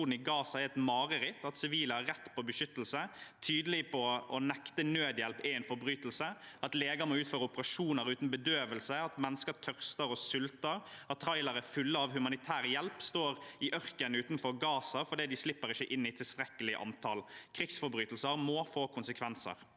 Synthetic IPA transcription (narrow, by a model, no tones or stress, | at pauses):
uːnn̩ɪɡɑːsɑɛɾɛt̪mɑːʁəɾɪt̪ɑt̪sɪʋiːləæɾːɛt̪ːpʰɔbəʃʏt̪ːəlsət̪ʰyːd̪əlɪpʰɔʔɔnɛkt̪ənøːd̪jɛlpɛɛɪnfɔɾbɾyːt̪əlsəɑt̪leːɡəmɔʉːt̪føːɾəʊpəʁɑʂuːnəɾʉːt̪n̩bəd̪øːʋəlsəɑt̪mɛnːəskəɾt̪ʰœʁst̪əɾɔsʏlt̪əɾɑt̪t̪ʰːɾɑɪləɾəfʉlːəɑʋhʉmɑnɪt̪ʰæːɾjɛlpst̪oːɾɪʔœʁkənʉːt̪n̩fɔɾɡɑːsɑfɔd̪iːd̪ɪslɪpːəɾɪçəʔɪnːɪt̪ʰɪlst̪ɾɛkːəlɪʔɑ̰nt̪ʰɑlkʰɾɪksfɔɾbɾyːt̪l̩səɾmoːfoːkʰʊnsəkʰʋɛnsə̰ɾ